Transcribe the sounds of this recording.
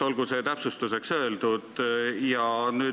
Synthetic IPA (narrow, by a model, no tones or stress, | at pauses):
o̞lɡ̥use̞ːt̪æpsust̪use̞ksø̞eld̪ud̪̥jɑnyː